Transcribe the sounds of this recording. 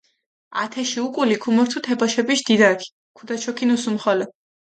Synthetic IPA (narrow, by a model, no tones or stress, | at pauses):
a̰t̪ʰɛʃiukʼulikʰumɔɾt̪ʰut̪ʰɛbɔʃɛbiʃd̪̥id̪akʰi̥ | kʰud̪at͡ʃʰɔkʰinusumχɔlɔ